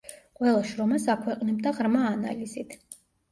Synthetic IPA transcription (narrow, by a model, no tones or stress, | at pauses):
qʼwɛlˠaʃɾɔmasakʰwɛqʼnɛbd̪aʁɾmaːna̰lizit̪ʰ